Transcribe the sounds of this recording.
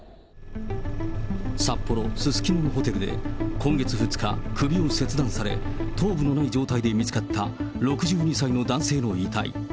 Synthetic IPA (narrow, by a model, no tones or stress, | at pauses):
sapːo̞ɾo̞sɨsɨ̥kʲinonoɦo̞t̪e̞ɾɯ̟d̪e̞̰kõ̞ŋɡe̞t͡sɨɸɯ̟t͡sɨ̥ka̰kʰɯ̟bʲiose̞t͡sɨd̪ãɰ̃saɾe̞̰t̪ʰo̞ːbɯ̟no̞naid͡ʑo̞ːt̪aid̪e̞mʲit͡sɨ̥kat̪ʰːa | ɾo̞kɯ̟ʑɨːɲ̟isaino̞d̪ãɰ̃se̞ːno̞iːt̪a̰ḭ